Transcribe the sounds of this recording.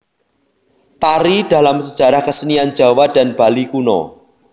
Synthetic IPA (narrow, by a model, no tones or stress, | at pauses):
t̪aɾid̥a̤lamsəd̥ʒ̥a̤ɾahkəsəniand̥d͡ʒ̥a̤wad̥anb̥a̤likunɔ̰